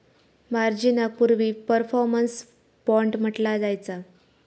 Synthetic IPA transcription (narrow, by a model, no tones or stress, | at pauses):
maɾd͡ʑinapuɾʋiːpəɾfɔɾməns | pɔɳʈm̤əʈlad͡zajt͡sa